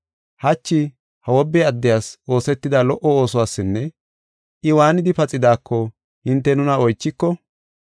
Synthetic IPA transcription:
hɐt͡ʃːɪ | hɐwɔbːɛɐd̪ːɛjaːso̞ːsɛt̪ːɪd̪ɐlɔʔɔo̞ːsɔwaːsːɪnːɛ | ʔɪwaːnɪd̪ɪpɐt͡sʼːɪd̪aːkʰːɔ | hɪnt̪ːɛnʊnɐɔjt͡ʃːɪkːɔ

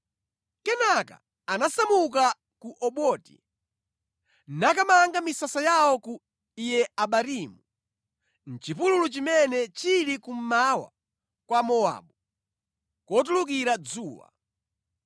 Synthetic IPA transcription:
kɛnaka̰ | anasamuka | kuʔɔɓɔːti̥̰ | nakamaŋɡamisasajawɔku | ijɛaɓaɾimu | n̩t͡ʃipululut͡ʃimɛnɛt͡ʃiɾikum̩mawa̰ | kwamɔa̰ːɓu | kɔt̬uluk̬iɾad͡zuːwa̰

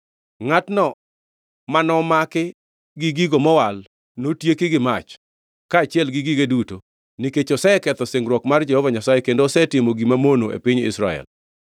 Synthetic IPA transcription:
ŋatnɔ | manɔmakɪ | ɡiɡiɡomɔwal | notjekɪɡɪmat͡ʃ | kaːt͡ʃɪɛlɡiɡiɡeduto | niket͡ʃɔsɛkɛt̪ɔseŋɾwɔkmard͡ʒɛhɔvaɲasajekendoːsɛtɪmoɡimamonoʔḛpɪɲɪ̰sɾaɛ̰l

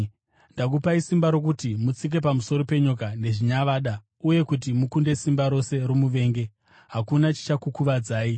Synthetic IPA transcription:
ndakupaisimbaɾo̞k̬utimut͡sik̬e̞pamuso̞ɾo̞pe̞ɲokane̞ʐiɲaʋaɗa | uje̞kut̬imukunde̞simbaɾo̞se̞ɾomuʋe̞ːŋɡe̞ | ɦakunat͡ʃi̥t͡ʃakukuʋad͡zaːi

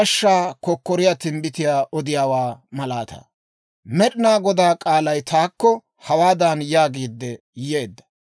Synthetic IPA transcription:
ɐʃːaːkɔkːɔɾɪjat̪ɪmbɪt̪ɪjaːʔɔd̪ɪjaːwaːmɐlaːt̪ɐ̰ | mɛɗɪnaːɡɔd̪aːkʼaːlɐjt̪aːkːɔ | hɐwaːd̪aːnjaːɡiːd̪ːɛ | je̞ːd̪ːɐ̥

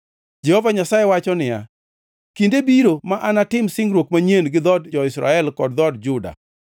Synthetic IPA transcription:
d͡ʒɛhovaɲasajewat͡ʃɔnɪja̰ | kindebiɾomaʔanatɪmsɪŋɡɾwokmaɲenɡɪd̪ɔdd͡ʒɔɪsɾa̰ɛlkɔdd̪ɔdd͡ʒʊda̰

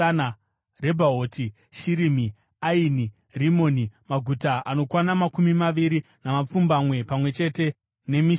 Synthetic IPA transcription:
na | re̞bʱaoːtʰi | ʃiɾimi | aini | rimo̞nimaɡʱutaʔano̞kwanamakumimaʋiɾinamap͡fumbamwe̞pamwe̞t͡ʃe̞te̞ | ne̞mi

